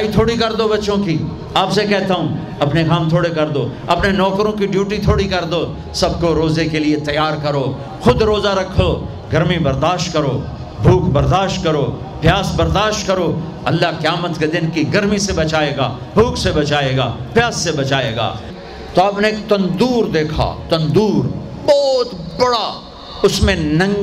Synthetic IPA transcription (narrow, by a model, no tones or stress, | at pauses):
aːit̪ʰoːɽikɐɾd̪obɐtːʃõki | aːpsekɛɦt̪aũː | ɐpnekaːmt̪ʰoːɽekɐɾd̪oːɐpnenɔːkɾõkiɖjuːʈit̪ʰoːɽikɐɾd̪oː | sɐb̚koɾoːzekeliet̪ɐjaːɾkɐɾoː | xʊd̪ɾoːzaɾɐkʰːoː | ɡɐɾmibɐɾd̪aːʃʈkɐɾoː | bʱuːkbɐɾd̪aːʃʈkɐɾoː | pjaːzbɐɾd̪aːʃʈkɐɾoː | ɐlːakjaːmət̪ked̪ɪnkiɡɐɾmisebɐt͡ʃaːeːɡaː | bʱuːksebɐt͡ʃaːeːɡaːpjaːzsebɐt͡ʃaːḛːɡa̰ː | t̪oɐpneːkt̪ɐ̃nd̪uːɾd̪eːkʰa̰ːt̪ɐ̃nd̪uːɾ | bɔːt̪bɐɽa | ʊsmẽnɐ̃ŋ